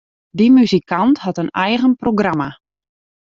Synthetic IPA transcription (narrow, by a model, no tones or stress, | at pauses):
dimyzikʰanthɑtənɛjɣənproɡrama